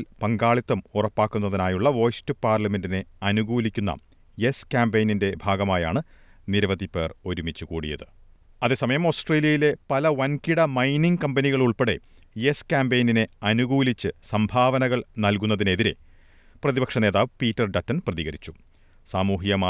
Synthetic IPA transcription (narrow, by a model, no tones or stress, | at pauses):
lpɐŋɡaːɭit̪ːɐmurɐpːaːkːunːɐðinaːjuɭːɐʋo̞ːjstɨpaːrlɐme̞ndine̞ɐnuɣuːlikʲːunːɐ̰ | jeskʲaːmbejninde̞bʱaːɡɐmaːja̰ːɳɨ | niɾɐʋɐd̪ipe̞ːro̞ɾumit͡ɕːukṵːɽḭjɐ̰ðɨ | ɐðeːsɐmɐjɐmo̞ːsʈreːlijɐjile̞pɐlɐʋɐnkiɽɐmɐjniŋɡkɐmbɐniɣɐɭuɭpe̞ɽe̞̰ | jeskʲaːmbejnine̞ɐnuɣuːlit͡ɕːɨsɐmbʱaːʋɐnɐɣɐɭnɐlkunːɐðine̞ðiɾe̞̰ | prɐðibɐkʂɐne̞ːðaːʋpiːtːɐrɖɐtːɐnprɐðiɣɐɾit͡ɕːu̥ | saːmuːɦjɐmaː